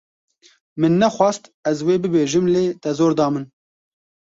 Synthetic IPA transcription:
mɨnːɛxʷɑːst̪ɛzweːbɨbeːʒɨmleːt̪ɛzoːɾd̪ɑːmɨn

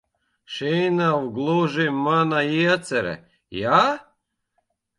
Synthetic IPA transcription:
ʃejnawɡlˠoʒimːanajiat͡sɛɾɛ̰ | ja

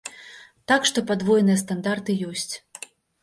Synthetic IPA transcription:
t̪akʂt̪ɔpad̪vɔjɛnɨjɛst̪and̪art̪ɨjɔsʲt͡sʲ

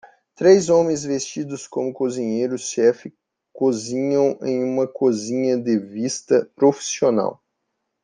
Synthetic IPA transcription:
t̪ɾejzõmẽj̃zvest͡ʃid̪ʊskõmʊkozĩɲejɾʊʃɛfɪ | kozĩɲɐ̃w̃ḛ̃j̃ũmɐkozĩɲɐd̪ɪvist̪ɐpɾofi̥siona̰w

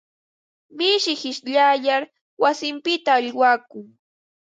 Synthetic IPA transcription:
mɪʃɪhɪʃʎajaɾ | wasɪmpɪt̪aːʎwaːkʊŋ

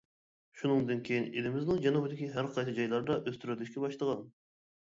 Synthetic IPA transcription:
ʃunɨŋd̪ɨnkʲʰejinelɪmɪznɪŋd͡ʒɑnubd̪ɪkʲiɦæɾqʰɑjsɨd͡ʒɑjlˠɑɾd̪ɑʔøst̪yɾyd̪yʃkʲɛbɑʃlˠəʁɑn

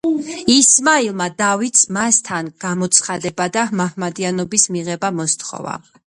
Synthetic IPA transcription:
ismailˠmad̪avit̪smast̪ʰanɡ̥amɔt̪sʰχad̪ɛbad̪ahmahmad̪ianɔbismiʁɛbamɔst̪ʰχɔ̰va̰

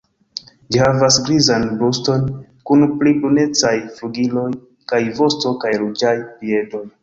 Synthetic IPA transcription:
d͡ʒihavasɡɾizanbusto̞nkunplibune̞t͡sajfluɡilo̞j | kajvo̞sto̞kajɾud͡ʒajpiedo̞j

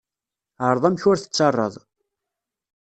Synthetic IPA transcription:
ʕəɾˤðˤæmçʊɾθə̥t͡sːɑrˤːə̰ðˤ

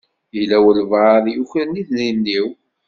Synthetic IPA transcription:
jəlæwəlvʁaðˤjuçɾəniθlinːiw

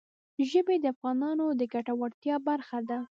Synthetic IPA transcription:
ʒəbed̪əafɣɑnɑnod̪əɡaʈawaɽt̪jɑbaɾxad̪a

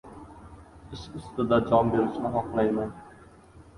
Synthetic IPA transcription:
ɪʃʊst̪ɪd̪ad͡ʒɒmbeɾɪʃnɪɦɒqlˠajman

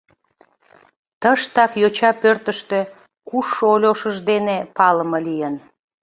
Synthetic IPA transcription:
t̪əʃt̪ɑkjot͡ɕɑpørt̪əʃt̪ø̆ | kuʃːoolʲoʃəʒd̪enepɑləməlijən

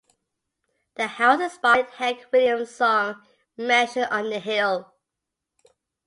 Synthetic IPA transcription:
ðəhaʊsəspɑd̚hɛkʰwɪlˠjə̃msɔ̃ŋ | mæ̃ʃə̃nə̃n̩ðəɦɪlˠ

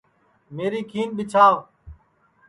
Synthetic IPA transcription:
meːɾiːkʰiːnɓɪt͡ʃʰaːʋ

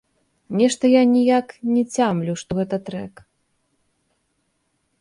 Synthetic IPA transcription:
nʲɛʂt̪ɐjanʲijaknʲɛt͡sʲamlʲuʂt̪ɔɣɛt̪ɐt̪ɾɛk

